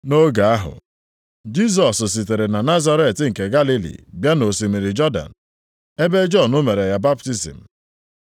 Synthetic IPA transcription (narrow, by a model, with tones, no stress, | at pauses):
no˦ɡa˨a˦ɦʊ̰˨ | d͡ʒi˦s̬ɔ˨ss̬i˨te˨ɾe˨na˨na˦za˦ɾe˦˨tŋ̩˨ke˨ɡa˦li˦lḭ˨bja˦no˨si˨mi˨ɾi˨d͡ʒɔ˦da̰˨n | e˦be˦d͡ʒɔ˦˨nʊ˦me˨ɾe˨ja˦ba˦p̚ti˦sḭ˨m̩˨